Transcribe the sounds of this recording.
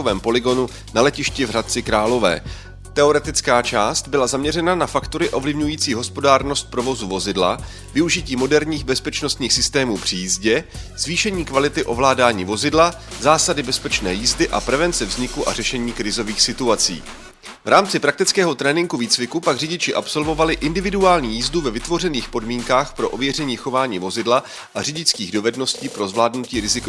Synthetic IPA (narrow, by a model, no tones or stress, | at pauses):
ovɛːmpo̞lɪɡo̞nu | nalɛcɪʃcɪvɦrat̪̚t͡sɪkɾaːlo̞vɛ̰ː | t̪ɛo̞ɾɛt̪ɪt͡skaːt͡ʃaːst̪bɪlazamɲɛrɛnanafakt̪oɾɪʔo̞vlɪvɲujiːt͡siːɦo̞spo̞daːɾno̞st̪̚pɾo̞vo̞zuvo̞zɪdla̰ | vɪuʒɪciːmo̞dɛɾɲiːxbɛspɛt͡ʃnost̪ɲiːxsɪst̪ɛːmuːpr̥ɪjizɟɛz̥viːʃɛɲiːkvalɪt̪ɪʔo̞vlaːdaːɲiːvo̞zɪdla | zaːsadɪbɛspɛt͡ʃnɛːjiːzdɪʔa̰pɾɛvɛnt͡sɛvzɲɪkuʔa̰rɛʃɛɲiːkɾɪzo̞viːxsɪt̪uat͡sḭː | vɾaːmt͡sɪpɾak̚t̪ɪt͡skɛːɦo̞t̪ɾɛːnɪŋɡuviːt͡svɪkupaɡrɪɟɪt͡ʃɪʔapso̞lvo̞valɪʔɪndɪvɪduaːlɲiːjiːzduvɛvɪt̪vo̞rɛniːxpo̞dmiːŋkaːxpɾo̞ʔo̞vjɛrɛɲiːxo̞vaːɲiːvo̞zɪdla | ʔarɪɟɪt͡skiːɣdo̞vɛdno̞sciːpɾo̞zvlaːdnuciːɾɪzɪk